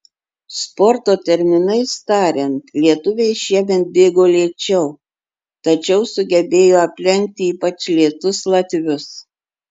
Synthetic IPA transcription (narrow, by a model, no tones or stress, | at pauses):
spɔɾt̪oːt̪ʲɛɾʲmʲɪnɐɪst̪ɑːɾʲɛnt̪lʲiɛt̪ʊʋʲɛɪʃʲiɛmʲɛnt̪̚bʲeːɡoːlʲiɛt͡ʃʲɛʊ | t̪ɐt͡ʃʲɛʊsʊɡʲɛbʲeːjoːɐpʲlʲɛŋʲk̚t̪ʲɪiːpɐt͡ʃʲlʲiɛt̪ʊslˠɐt̪ʲʋʲʊs